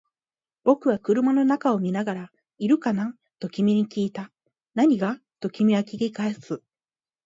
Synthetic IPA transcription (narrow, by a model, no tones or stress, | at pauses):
b̥o̞kɯ̟βakɯ̟ɾɯ̟mano̞nakao̞mʲinaɡaɾa | iɾɯ̟kana | t̪o̞kʲimʲiɲ̟ikʲiːt̪a | naɲ̟iɡa | t̪o̞kʲimʲiβakʲiɡʲikaesɨ